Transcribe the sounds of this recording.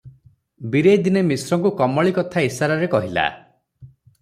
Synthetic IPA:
biɾejd̪inemisɾɔŋkukɔmɔɭikɔt̪ʰaisaɾaɾekɔɦila̰

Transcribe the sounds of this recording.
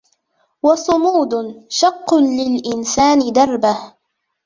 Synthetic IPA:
wɑsˤʊmuːd̪ʃɑqːʊlɪlʔɪnsaːnɪd̪ɑrˤbah

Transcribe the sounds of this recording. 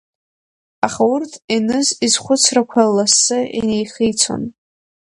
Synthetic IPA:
aχaʊrtʰinɨzizχʷʊt͡sʰrakʷʰalːasːɨʔḭnejχijt͡sʰo̰n

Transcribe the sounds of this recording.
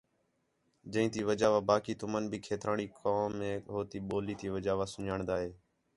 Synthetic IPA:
d͡ʒə̃ĩːt̪iːʋəd͡ʒaːʋaːbaːkiːt̪ʊmənbʱiːkʰeːt̪ɾaːɳiːkʰoːẽːɦoːt̪iːɓoːliːt̪iːʋəd͡ʒaːʋaːsʊɲaːɳd̪aːɦeː

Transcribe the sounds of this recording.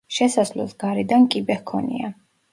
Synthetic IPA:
ʃɛsaslɔ̰sɡaɾid̪ankʼibɛhkʰɔnḭa

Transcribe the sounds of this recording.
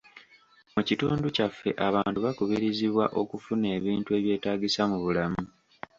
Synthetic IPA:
mucituːnducafːe̞ʔaβaːntuβakuβiɾiziβwaʔo̞kufune̞ːβiːntue̞ːβje̞ːtaːɡisamuβulamu

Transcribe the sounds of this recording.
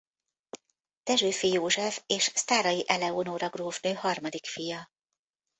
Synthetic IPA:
t̪ɛʒøːfijoːʒɛfeːʃst̪aːɾɒjiʔɛlɛonoːɾɒɡroːvnøːhɒrmɒd̪ikfijɒ

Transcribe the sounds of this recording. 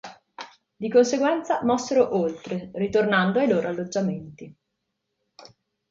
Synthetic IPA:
d̪ikonseɡwɛnt̪samɔsːeɾoʔolt̪ɾerit̪ornand̪oajloːɾoalːod͡ʒːament̪i

